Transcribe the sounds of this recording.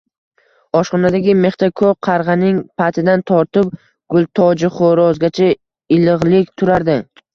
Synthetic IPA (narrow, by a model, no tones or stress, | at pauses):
ɒʃqɒnad̪aɡʲɪme̞χt̪ʰakʰoqʰɑɾʁɑnɪŋpʰat̪ʰɪd̪ant̪ʰɒɾt̪ɪp̚ | ɡ̥ʊlˠt̪ʰɒd͡ʒɪχoɾɒzɡʲat͡ʃʰa | ɪlɨʁlˠɪkʲt̪ʰʊɾaɾd̪ɪ